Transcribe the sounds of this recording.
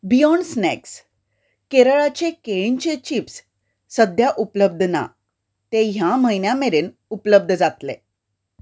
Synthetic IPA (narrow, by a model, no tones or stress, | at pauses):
bijɔɳɖsnɛ̰ks | keɾəɭat͡ɕekeɭint͡ɕet͡ɕiːpsː | əd̪ʱjaʔupləb̚d̪ʱna̰ | t̪eɦjaməinjameɾeːn | upləb̚d̪ʱd͡zat̪le